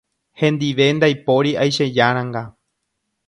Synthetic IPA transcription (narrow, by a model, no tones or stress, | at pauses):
hẽ̞nd̪iʋe̞nd̪ajpo̞ɾiajʃed͡ʒaɾ̃ãŋɡa